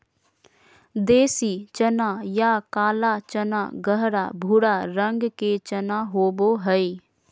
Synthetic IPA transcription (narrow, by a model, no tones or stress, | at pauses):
d̪eːsit͡ʃənaːjakaːlat͡ʃəna̰ɡəɦɾa̰ːbʱuɽaːɾə̃ŋɡket͡ʃɐnaɦoːboɦəi